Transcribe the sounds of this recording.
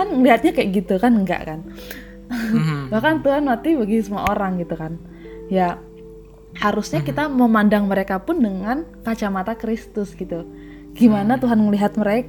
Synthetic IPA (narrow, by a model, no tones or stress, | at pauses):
anŋəliɦat̪̚ɲakajaʔɡit̪ukanŋɡa̰ʔkan | bahkant̪uɦanmat̪ibaɡisəmua̰oɾaŋɡit̪ukan | ja | haɾʊsɲakit̪aməmandaŋməɾekapʊndəŋankat͡ʃamat̪akɾist̪ʊsɡit̪u | ɡ̥imanat̪uɦanŋəliɦat̪̚məɾek